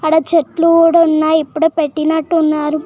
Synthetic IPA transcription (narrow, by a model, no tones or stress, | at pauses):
ɐɽɐt͡ʃeʈluɽɐnːaːjipːuɽupeʈːinɐʈːunːaːɾu